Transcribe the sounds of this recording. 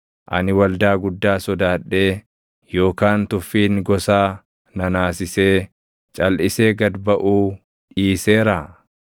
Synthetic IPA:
ʔɐ̰nɪwɐld̪aːɡʊd̪ːaːsɔd̪aːᶑːe̞ː | jo̞ːkaːnt̪ʊfːiːnɡɔsaː | nɐnaːsɪseː | t͡ʃʼɐlʔɪse̞ːɡɐd̪bɐʔuː | ʔiːseːɾaː

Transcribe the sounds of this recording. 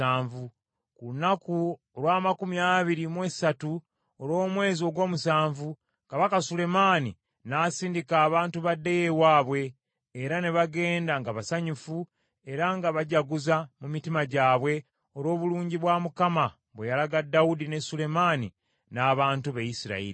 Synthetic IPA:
aːɱvu | kulunakuoɾwaːmakumijaβiɾimwe̞satu | oɾo̞ːmwe̞ːzio̞ɡo̞ːmusaːɱvu | kaβakasule̞maːni | naːsiːndikaːβaːntuβadːejewaːβwe̞ː | ɾane̞βaɡe̞ːndaŋɡaβasaɲufu | e̞ɾaŋɡaβaɟaɡuzamumitimaɟaːβwe̞ | o̞ɾo̞ːβuluːɲɟiβwaːmukama | βwejalaɡadːaudine̞sule̞maːni | naːβaːntuβejisiɾa̰ḭɾi

